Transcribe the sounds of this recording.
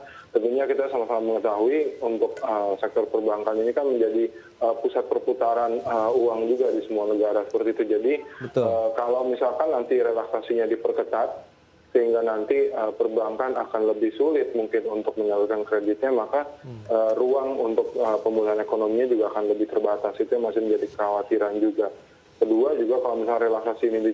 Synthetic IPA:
t̪ənt̪uɲakit̪asamasalaməŋət̪aɦuiunt̪ʊk̚əsɛk̚t̪ɔrpərbaŋkaninikanməɲd͡ʒadi | əpusat̪̚pərput̪aɾanəuaŋd͡ʒuɡadisəmuanəɡaɾasə̥pərt̪iːt̪ud͡ʒadibəəkalawmisalkanːant̪iɾelaksasiɲadipərkət̪at̪̚ | səhiŋɡanant̪iəpərbaŋkanakanləbɪhsulɪt̪̚muŋkɪnunt̪ʊk̚məɲalukankɾedɪt̪̚ɲamakaəruaŋunt̪ʊk̚əpəmbulaɦanekonomiɲad͡ʒuɡaːkanləbɪht̪ərbat̪asit̪ujaŋmasɪhməɲd͡ʒadikəawat̪iɾand͡ʒuɡa | kəduad͡ʒuɡakalomisalrelaksasiːnidi

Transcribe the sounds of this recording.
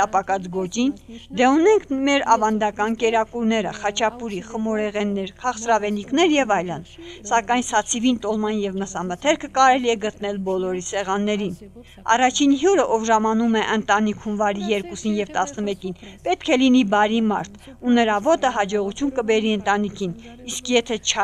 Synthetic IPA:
t̪ɑpɑkɑt͡sɡɔt͡ʃind̪ɛunɛŋkʰmɛɾɑvɑnd̪ɑkɑnkɛɾɑkuɾnɛɾə̰χɑt͡ʃʰɑpuɾiχəmɔɾɛʁɛnːɛɾkʰɑχsɾɑvɛniknɛɾjɛvɑjlənsɑkɑjnsɑt͡sʰivint̪ɔlmɑnjɛvməsɑmət̪ʰɛɾkʰəkɑɾɛliɛɡət̪nɛlbɔlɔɾisɛʁɑnːɛɾin | ɑ̰rɑt͡ʃʰinɦjuɾəʔɔvʒɑmɑnumɛʔənt̪ɑnikʰhunvɑɾijɛɾkusinjɛvt̪ɑsnəmɛkinpɛt̪kʰɛlinibɑɾimɑ̰ɾt̪ʰ | unəɾɑvɔt̪əɦɑd͡ʒɔʁut͡sʰjunkəbɛɾiənt̪ɑnikʰiniskʰjɛt̪ʰɛt͡ʃʰ

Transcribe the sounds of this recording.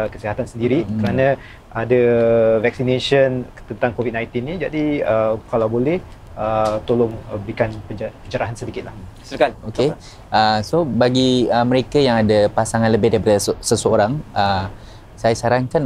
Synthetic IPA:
kəsiɦat̪ansəndiɾikəɾanã | ʔadəvɛk̚sineʃən | t̪ənt̪aŋkovit̚nãjnt̪inːĩd͡ʒadiəkalawbolɛh | ət̪olʊŋəbikanpəd͡ʒpəd͡ʒəɾaɦansədikɪt̪̚lahskaoke | ʔəsobaɡiəmə̃ɾekajaŋadapasaŋanləbɪhdaɾipadəssəsəoɾaŋə | sajasaɾaŋkan

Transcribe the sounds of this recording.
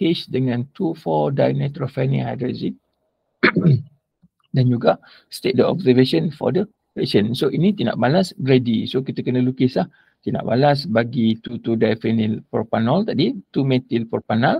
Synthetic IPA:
kesdəŋãnt̪ufɔdajnɛ̃t̪ɾɔfɛnḭ̃ha̰jdɾazi | dand͡ʒuɡa | st̪et̚dəɔ̰bsəveʃə̃nfɔ̰də | pɛʃə̃nsoʔinit̪ina̰ʔbalasbɾedisokit̪əkənəlukɪslah | t̪ina̰ʔba̰lasbaɡit̪ut̪udajfɛnilpɔpanɔlt̪adit̪umɛ̃t̪ilpɔrpanal

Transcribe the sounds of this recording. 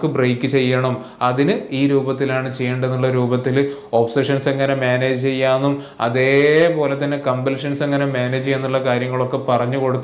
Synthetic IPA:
kːɨbrejkʲːɨt͡ɕe̞jːɐɳɐm | ɐðinɨiːɾuːbɐt̪ːilaːɳɨt͡ɕe̞jːeːɳɖenːuɭːɐɾuːbɐt̪ːilo̞ːpseʂɐnsɐŋːɐnemeːneːd͡ʑɨt͡ɕe̞jːaːnːum | ɐ̰ðe̞ːpo̞ːle̞t̪ːɐnːe̞kɐmbɐlʂɐnsɐŋːɐnemeːneːd͡ʑe̞nːuɭːɐkaːɾjɐŋːɐɭo̞kːe̞pɐrɐɲːuko̞ɽut̪ː

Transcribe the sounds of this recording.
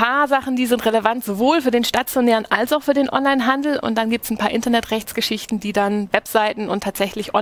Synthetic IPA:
aːɐzaχn̩diːzɪntʁ̥eləvantz̥ovoːlfyɐdeːnʃtat͡sjonɛːʁənʔalsaʊfyːɐdeːnʔɔ̰nlaɪnɦandl̩ʊ̰ntd̥anɡiːp̚tsn̩pʰaːɐʔɪntɐnɛtʁɛçt͡sɡ̥əʃɪçtn̩diːdanvɛpz̥aɪtn̩ʊntʰːaːtz̥ɛçlɪçʔɔ

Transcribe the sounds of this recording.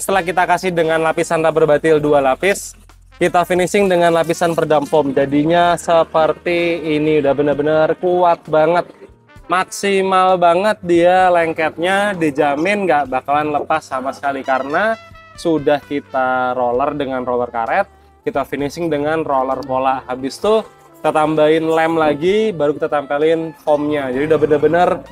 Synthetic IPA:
sə̥t̪əlahkit̪akasɪhdəŋanlapisanrabərbat̪ɪldualapɪs | kit̪afinisɪŋdəŋanlapisanpərdampɔmd͡ʒadiɲasəpərt̪iːniudahbənərbənərkuat̪̚baŋət̪̚ | maksimalbaŋət̪̚dialɛŋkɛt̪̚ɲadid͡ʒamɪnɡaʔbakalanləpasːamasə̥kalikaɾənasudahkit̪aɾolərdəŋanrolərkaɾɛt̪̚ | kit̪afinisɪŋdəŋanrolərpolaʔhabɪst̪u | ki̥t̪at̪ambaɪnlɛmlaɡibaɾukit̪at̪ampalɪnfɔmɲad͡ʒadiudaɦbənərbənər

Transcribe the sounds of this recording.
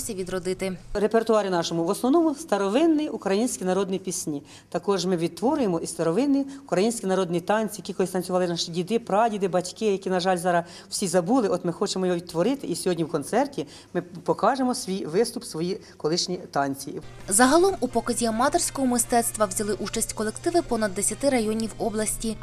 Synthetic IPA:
sʲɐʋʲid̪ɾɔd̪ɪt̪ɪɾepert̪ʊɑɾʲɪnɑʃɔmʊʋɔsnɔʋnɔmʊst̪ɐɾɔʋɪnːɪjukɾɐjinʲsʲkʲinɐɾɔd̪nipʲisʲnʲi | t̪ɐkɔʒmɪʋʲid̪̚t̪ʋɔɾʊjemɔʔist̪ɐɾɔʋɪnːiʊkɾɐjinʲsʲkʲinɐɾɔd̪nʲit̪ɑnʲt͡sʲijɐkʲikɔlˠɪst̪ɐnʲt͡sʲʊʋɑlˠɪnɑʃidʲid̪ɪpɾɑdʲid̪ɪbɐtʲkɪjɐkʲinɐʒɑlʲzɑɾɐ | w̥sʲizɐbulˠɪʔɔt̪mɪxɔt͡ʃemɔjɔɦɔʋʲid̪t̪ːʋɔɾɪt̪ɪʔisʲɔɦɔdʲnʲiwkɔnt̪sɛrtʲi | mɪpɔkɑʒemɔsʲʋʲijʋɪst̪ʊpsʋɔji | kɔlˠɪʃnʲit̪ɑnʲt͡sʲijizɐɦɐlˠɔmupɔkɐzʲiɐmɑt̪ersʲkɔɦɔmɪst̪ɛt̪st̪ʋɐwzʲɐlˠɪʔut͡ʃɐsʲtʲkɔlˠekt̪ɪʋɪpɔnɐd̪ːesʲɐt̪ɪɾɐjɔnʲiwɔblˠɐsʲtʲi

